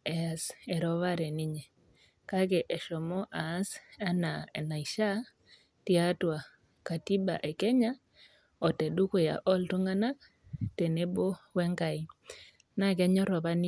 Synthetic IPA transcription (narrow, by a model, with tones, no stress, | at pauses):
ɛ˨a˨sɛ˨ɾɔ˦βa˦ɾɛ˨nɪ˦ɲe˨ | ka˦kɛ˨ʔɛ˨ʃɔ˨mɔ˦ʔaː˨˦sa˦na˨e˨na˨i˨ʃa˦ | ti˦a˦twa˨ | ka˨ti˦ba̰˨ʔe˨kɛ˦ɲa˦ | ɔ˨tɛ˨du˦ko˦ja̰˨ʔɔ˦ltu˦ŋa˦na˦k̚ | te˨ne˦bo˦wɛ˦ŋka˨i˨˦ | na˦kɛ˦ɲɔ˦ɾɔ˨βa˦ni˦